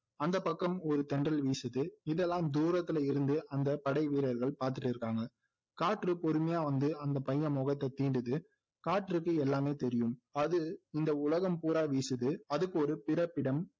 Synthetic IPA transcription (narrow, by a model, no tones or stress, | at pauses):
ɐnd̪ɐpːɐkːɐmɔɾɯt̪ɛɳdrɐlʋiːsɐðɯɪðɛlːaːmd̪uːɾɐt̪ːɪlɐɪɾɯnd̪ɯʔɐnd̪ɐpɐɽɐɪʋiːɾɐɾɣɐɭpaːɾt̪ɯʈːɪɾɯkːaːŋɡɐ | kaːʈrɯpɔɾɯmɐjaːʋɐnd̪ɯɐnd̪ɐpɐjːɐmɔɣɐt̪ːɐt̪iːɳɖɯðɯ | kaːʈːrɯkːɯɛlːaːmeːt̪ɛɾɪjɯmɐðɯɪnd̪ɐʊlɐɣɐmpuːɾaːʋiːsɯðɯɐðɯkːɔɾɯpɪɾɐpːɪɽɐm